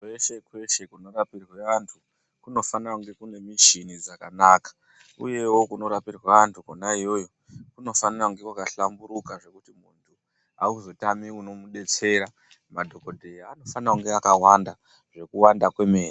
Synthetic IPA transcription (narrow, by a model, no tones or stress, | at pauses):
kwe̞ʃe̞kwe̞ʃe̞kuno̞rapirɣweʋantʰu | kuno̞fanakuŋɡe̞kune̞miʃinid͡zakanaːkḁ | ṵje̞wo̞kuno̞ɾapirweʋantʰukonaijo̞jo̞ | kuno̞faniraŋɡe̞kwakaɬambuɾukaʐe̞kutimuntʰu | auzo̞tamiuno̞muɗe̞t͡se̞ɾa | madʱo̞kodʱe̞iano̞fanauŋɡeakawanda | ʐe̞kuwandakwe̞meːre